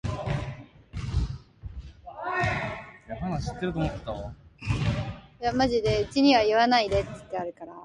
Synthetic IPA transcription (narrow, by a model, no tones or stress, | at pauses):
japanaɕi̥t̪ːe̞ɾɯ̟t̪omot̪ːe̥t̪ːa | jamaʑid̪e̞ɯ̟t͡ɕiɲ̟iβ̞aiβanaid̪e̞t͡sːɨ̥t̪ːe̞aɾɯ̟kaɾa